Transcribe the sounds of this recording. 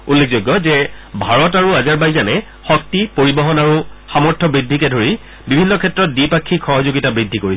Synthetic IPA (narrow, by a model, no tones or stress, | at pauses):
ulːek̚ʰzoɡːɔzɛbʱaɹɔtaɹuazaɹbajzanɛ | xɔk̚tipoɹibɔɦɔnaɹuxamɔɹtʰːɔbɹidʱːikɛdʱoɹi | bibʱinːɔkʰɛtɹɔt̚dipakʰːixɔɦɔzoɡitabɹidʱːikoɹi